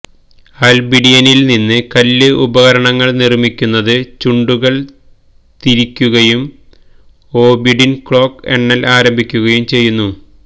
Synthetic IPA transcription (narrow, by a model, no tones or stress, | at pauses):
ɐlbiɖijɐnilninːɨkɐlːɨʔubɐɣɐɾɐɳɐŋːɐɭnirmikʲːunːɐðɨt͡ɕuɳɖuɣɐɭ | t̪iɾikʲːuɣɐjum | o̞ːbiɖinkɭo̞ːkːḛɳːɐlaːɾɐmbʱikʲːuɣɐjumt͡ɕe̞jːunːu